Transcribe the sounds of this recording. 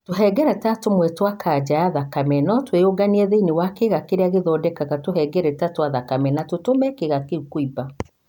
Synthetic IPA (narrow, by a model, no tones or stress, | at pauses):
toɦɛɡɛɾɛtatomwɛtwakʰad͡ʒajaðakamɛnɔtweoɡaniɛðeinewakeɣakeɾeaɣeðɔdɛkaɣatohɛɡɛɾɛtatoaðakamɛnatotomɛkeɣakeukwiba